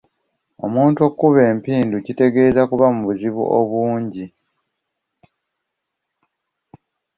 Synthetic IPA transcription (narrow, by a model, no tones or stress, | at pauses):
o̞muːnto̞kːuβe̞ːmpiːnducite̞ɡe̞ːzakuβamuβuziβṵʔo̰βuːɲɟi